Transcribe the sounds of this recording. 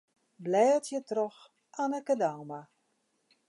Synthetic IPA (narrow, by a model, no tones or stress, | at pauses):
blɛːtʰjətrɔx | anəkədaːma